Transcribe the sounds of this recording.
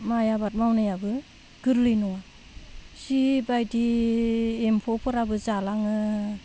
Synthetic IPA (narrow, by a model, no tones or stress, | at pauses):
majabat̚mawnajabɯ | ɡ̥ɯɾlɯjnuŋa | sibajdi | empʰɔpʰɯɾabɯzalaŋɯ